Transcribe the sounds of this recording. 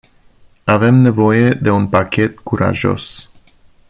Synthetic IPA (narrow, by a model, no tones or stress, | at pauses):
ave̞mne̞vo̞je̞d̪e̞unpakʲe̞t̪kuɾʔa̰ʒo̞̰s